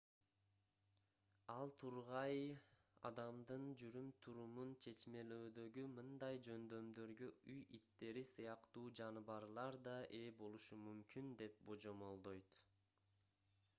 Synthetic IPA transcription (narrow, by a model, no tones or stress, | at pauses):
ɑlˠt̪ʰuɾʁɑj | ɑ̰d̪ɑmd̪ɯnd͡ʒyɾymt̪ʰuɾumunt͡ʃʰe̞t͡ʃme̞løːd̪ø̞ɡymɯnd̪ɑjd͡ʒø̞nd̪ø̞md̪ø̞ɾɡøyjʔit̪ːe̞ɾisɯjɑqt̪uːd͡ʒɑnɯβɑɾlˠɑɾd̪ɑʔe̞bo̞lˠuʃumymkynd̪e̞p̚bo̞d͡ʒo̞mo̞lˠd̪o̞jt̪